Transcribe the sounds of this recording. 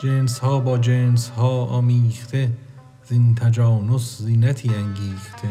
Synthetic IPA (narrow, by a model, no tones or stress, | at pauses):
d͡ʒenshɒːbɒːd͡ʒeːnshɒːɒːmiːxt̪ʰe | zint̪ʰæd͡ʒɒːnoszinæt̪ʰiːæŋɡiːxt̪ʰe